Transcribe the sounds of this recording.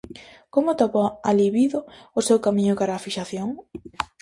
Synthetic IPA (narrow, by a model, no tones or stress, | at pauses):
komʊt̪aβoaliβiðʊʊsewkamĩɲʊkaɾaːfiʃaθjoŋ